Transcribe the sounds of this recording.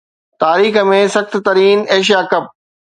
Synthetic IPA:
t̪aːɾiːxə̆mẽsɐxt̪̆t̪ɐɾiːneːʃ̬jaːkɐp̚

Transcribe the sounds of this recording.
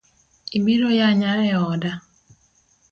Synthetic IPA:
ibiɾojaɲaɛɔda

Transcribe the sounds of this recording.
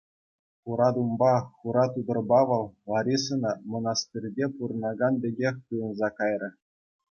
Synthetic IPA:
χuɾɑd̪umbɑχuɾɑt̪ud̪ɤ̆rbɑʋɤ̆lˠlɑɾʲisɤ̆nɑmŏnɑst̪ʲirʲdʲepuɾɤ̆nɑɡɑndʲeɡʲexʲt̪ujɤ̆nzɑkɑjrʲɤ̆

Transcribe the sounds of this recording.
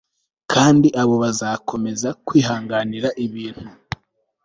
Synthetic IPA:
kʰaːndiʔaβo̞βazaːkʰo̞me̞zakwiːɦaːŋɡaniɾaʔiβiːn̥hu

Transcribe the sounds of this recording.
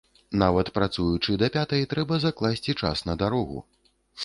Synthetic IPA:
navɐt̪pɾat̪sujut͡ʂɨd̪ɐpʲat̪ɐjt̪ɾɛbɐzaklˠasʲt͡sʲit͡ʂa̰snɐd̪aɾɔɣṵ

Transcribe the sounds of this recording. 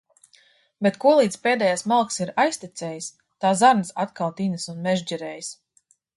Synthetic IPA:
bet̪kuɔlˠiːd̪speːd̪ɛːjasmalˠksiɾajst̪it̪sɛːjis | t̪aːzaɾnsat̪kalˠt̪inɨsunmɛʒd͡ʒiɾɛːjs

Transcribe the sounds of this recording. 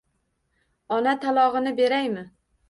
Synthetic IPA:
ɒnat̪ʰalˠɒʁɨnɪbe̞ɾajmɪ

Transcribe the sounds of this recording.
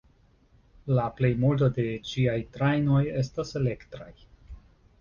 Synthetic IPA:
laple̞jmult̬ode̞t͡ʃiajtɾajno̞je̞stase̞le̞ktɾaj

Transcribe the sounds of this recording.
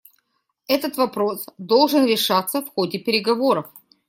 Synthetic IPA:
ɛt̪ət̪vɐpɾo̞sd̪olˠʐɨnɾʲɪʂat̪səfxodʲɪpʲɪɾʲɪɡɐvo̞ɾəf

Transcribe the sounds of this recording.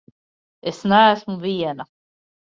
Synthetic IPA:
esnæːsmuvʲiɛna

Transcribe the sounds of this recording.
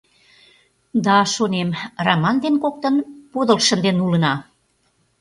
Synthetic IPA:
d̪ɑʃonemrɑmɑnd̪enkok̚t̪ə̆npod̪əlʃə̆nd̪enulə̆nɑ

